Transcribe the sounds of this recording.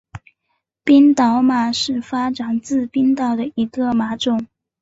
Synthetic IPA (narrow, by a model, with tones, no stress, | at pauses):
pi˥nt̪ɑ˧˥ʊma˨˩ʂɻ̩˥˩fa˥ʈ͡ʂa˨˩nt͡sɹ̩˥˧pi˥nt̪ɑ˥˩ʊd̪ə˨i˧˥ɡə˧ma˧˥ʈ͡ʂʊ˨˩ŋ